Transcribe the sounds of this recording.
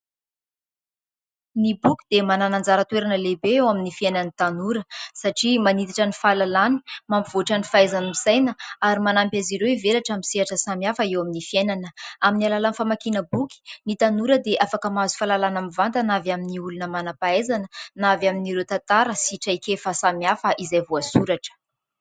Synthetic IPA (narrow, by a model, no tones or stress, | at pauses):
nibukʲi̥d̪̥emananand͡zaɾət̪weɾanəlebeewaminifienanit̪anuɾəsaʈ͡ʂimanit̪aʈ͡ʂənifalalani̥mampiv̥oʈ͡ʂənifaezanimisajnəaɾimanampʲaziɾewivelaʈ͡ʂamiseaʈ͡ʂəsamjafəewaminifienanəaminialalanfamakinəbuki̥nit̪anuɾəd̪eʔafakəmazu̥falalanamivant̪ənavaminiulunəmanapaezanənavaminiɾewt̪at̪aɾəsiʈ͡ʂajkefəsamjafəʔizajvuasuɾaʈ͡ʂə̥